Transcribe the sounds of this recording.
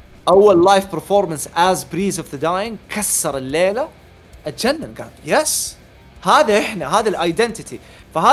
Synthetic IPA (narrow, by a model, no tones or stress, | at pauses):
ʔawːallajfpəɾfoːɾmansazbɾiːzɔvðəd̪aːjɪŋkʰasːɑɾˤɪlːeːla | ʔat̪d͡ʒanːanɡa̰ːljɛs | haːðaʔɪħnaɦaːðalʔajd̪ɛnt̪ɪt̪i | faɦaː